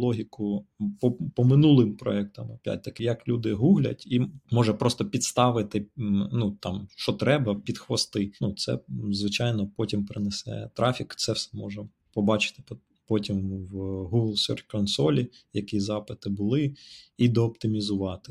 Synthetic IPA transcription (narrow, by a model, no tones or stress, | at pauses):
lˠɔɦʲikʊpɔpɔmɪnulˠɪmpɾɔ̰ɛk̚t̪ɐmɐpʲja̰t̚ʲt̪ɐkɪjɐklʲud̪ɪɦuɦlʲɐ̰tʲimɔʒɐpɾɔst̪ɔpʲit̪st̪ɑʋɪt̪ɪnut̪ɑmʃt͡ʃɔt̪ɾɛbɐpʲid̪xʋɔst̪ɪnut̪sɛ̰zʋɪt͡ʃɑjnɔpɔtʲimpɾɪnesɛ̰t̪ɾɑfʲikt̪sɛwsɛmɔʒɐ | pɔbɑt͡ʃɪ̥t̪ɪ̥p | pɔtʲimʋɦuɡlˠsʲɔ̰rtʲkɔnsɔlʲijɐkizɑpɪt̪ɪbʊlˠɪid̪ɔːpt̪ɪmʲizʊʋɑt̪ɪ̥